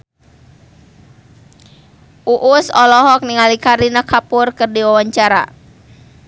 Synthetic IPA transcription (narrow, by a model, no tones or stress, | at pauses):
ʔuʔʊsɔlɔɦɔk̚niŋalikaɾinakʰapʊrkɨrdiwawaɲt͡ʃaɾa̰